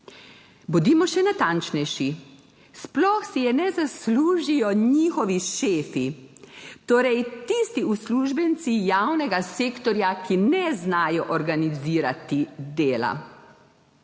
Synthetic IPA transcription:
bud̪iːmɔʃɛnat̪ant͡ʃnɛjʃi | splɔxsijɛnɛzasluːʒijɔɲixɔʋiʃeːfi | t̪oːɾɛjt̪ist̪iusluːʒbɛnt̪sijawnɛɡaseːkt̪ɔɾjakinɛznaːjɔʔɔɾɡaniziːɾat̪id̪eːla̰

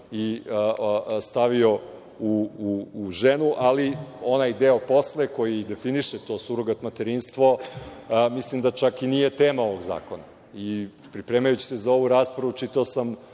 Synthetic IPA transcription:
iəst̪aʋio̞ | uuːʒenuʔalio̞najd̪eo̞po̞sleko̞jid̪e̞finiʃet̪o̞ːsuɾoɡat̪mat̪eɾinst̪ʋo̞ | mislimd̪at͡ʃakinije̞t̪eːmao̞ʋo̞ɡza̰ːkona̰ | i | pɾipɾe̞ːmajut͡ɕi̥sezao̞ʋuɾaːspɾavut͡ʃit̪aosam

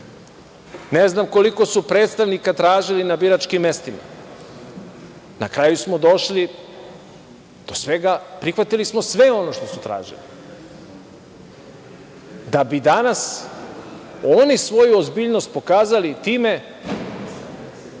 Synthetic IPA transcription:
neznamko̞liko̞supɾe̞ːt̪st̪aʋnikat̪ɾaːʒilinabiɾat͡ʃkimːe̞st̪ima̰ | nakɾajusmo̞d̪o̞ʃli | d̪̥osʋe̞ɡapɾixʋat̪ilismo̞sʋe̞o̞no̞ʃt̪o̞su̥t̪ɾa̰ːʒḭli | d̪abid̪anas | o̞nisʋo̞juozbiːʎno̞st̪̚po̞kaːzalit̪iːme̞

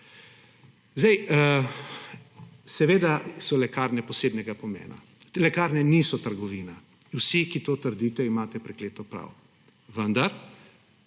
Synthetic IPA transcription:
zd̪ɛj | sɛʋeːd̪asɔlɛkaːɾnɛpɔseːd̪nɛɡapɔmḛːna̰ | lɛkaːɾnɛnisɔt̪əɾɡɔʋiːna | wsikit̪oːt̪əɾd̪iːt̪ɛimaːt̪ɛpɾɛkleːt̪ɔpɾa̰w | ʋənd̪aɾ

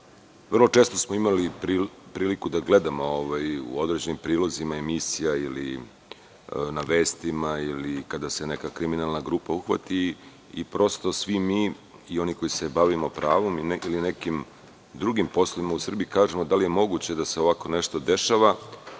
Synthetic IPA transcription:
ʋr̩lot͡ʂe̞ːst̪o̞smoimalipɾipɾiːlikud̪aɡle̞d̪amo̞oʋajṵo̞d̪ɾe̞d͡ʑe̞nimpɾiːlozimaemisijailḭ | naʋe̞ːst̪imailikad̪ase̞ne̞kakɾiminalˠnaɡɾuːpauxʋa̰t̪i | ipɾo̞st̪o̞sʋimiː | io̞niko̞jise̞baʋimo̞pɾaːʋo̞milinekim | d̪ɾuɡimpo̞slˠoʋimausr̩biikaːʒe̞mo̞d̪alije̞mo̞ɡut͡ɕe̞d̪aseo̞ʋako̞ne̞ʃt̪o̞d̪e̞ʃaʋa

